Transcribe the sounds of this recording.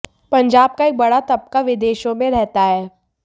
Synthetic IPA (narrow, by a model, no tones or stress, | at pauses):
pɐ̃ɲd͡ʒaːb̚kaeːk̚bɐɽat̪ɐp̚kaʋɪd̪eːʃõmẽɾɛɦt̪aɦɛː